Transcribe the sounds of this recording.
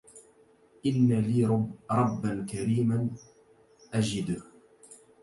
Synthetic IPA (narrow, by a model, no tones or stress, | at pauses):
ʔɪnːaliːɾˤɑbːankaɾiːman | ʔad͡ʒɪd̪ʊh